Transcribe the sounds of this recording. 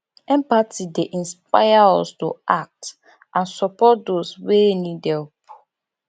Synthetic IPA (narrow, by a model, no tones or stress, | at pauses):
ɛ̃mpatideʔĩnsp̚a̰ɪjaɔstoak̚t | ãnsɔpɔt̚doswenidɛpu̥